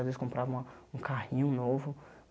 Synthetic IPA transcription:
azvezɪskõmpɾʔavɐ̃ũkʰahĩɲʊ̃novʊ

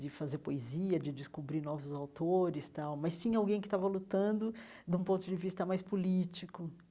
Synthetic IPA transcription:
d͡ʒɪfazeɾpoeziɐd͡ʒɪd͡ʒɪskubɾinɔvʊzawt̪oɾɪst̪awmɐst͡ʃĩɲɐawɡẽj̃kɪ̥t̪avɐlut̪ɐ̃nd̪ʊ | d̪ũpõt̪ʊd͡ʒɪvist̪ɐmajspulit͡ʃikʊ

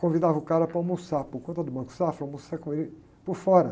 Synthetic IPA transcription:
kõvid̪avɐʊkaɾɐpɾaw̃musapʊɾkõt̪ɐd̪ʊmɐ̃ku̥safawmosakõelɪ | poɾfɔɾɐ

